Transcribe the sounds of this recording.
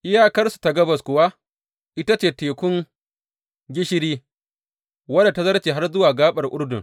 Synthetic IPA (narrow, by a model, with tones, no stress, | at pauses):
ʔɪ˦jaː˦kɐ˦rsu̥˨ta˨ɡɐ˦bɐ˨skʷʊ˨wa˦ | ʔɪ˦ta˦t͡ʃeː˨teː˨kʷʊ˦ŋ | ɡʲɪ˦ʃɪ˦ɽiː˦ | wɐ˦da˨ta˦zɐ˦ɽt͡ʃeː˨ɦa˦rzʊ˦waː˨ɡaː˦ɓɐ˨rʔʊ˦ɽdʊ˨ŋ